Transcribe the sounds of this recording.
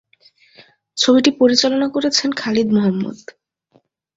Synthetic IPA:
t͡ɕʰobiʈipoɾit͡ɕalonakoɾet͡ɕʰenkʰalid̪moɦamːṵd̪

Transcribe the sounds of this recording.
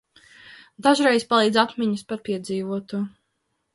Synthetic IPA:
d̪aʒɾɛjspalˠiːd̪zat̪mʲiɲuspaɾpiɛd̪ziːvuɔt̪uɔ

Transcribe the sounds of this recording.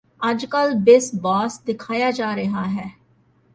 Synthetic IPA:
ɐd͡ʒkəlbɪsbaːsd̪ɪkʰaːjaːd͡ʒaːɾɐɦaːɦɛː

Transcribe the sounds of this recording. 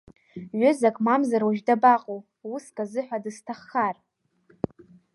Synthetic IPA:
ɥʊzakʼmamzaɾwaʒᶣdabaqʼow | uskʼazɨħʷᶣadɨstʰaχːar

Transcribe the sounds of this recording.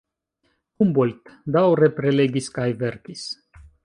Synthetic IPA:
kumbolʲt̪d̪awɾepɾeleɡʲiskajveɾkʲis

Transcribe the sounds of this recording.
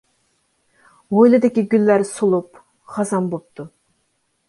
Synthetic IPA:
ʁojlˠɨd̪ɪkʲiɡʲylːæɾsolˠup | χɑzɑnbop̚t̪ʰu

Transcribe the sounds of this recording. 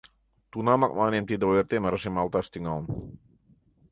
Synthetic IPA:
t̪unamak̚manamt̪id̪aɛrt̪emaɾasimalt̪ast̪iŋaln

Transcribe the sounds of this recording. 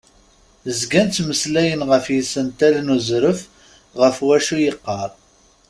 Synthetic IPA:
zɡænt̪məslæjənʁəfjisənt̪ælnuzɾəf | ʁəfwæʃujəqːɑɾˤ

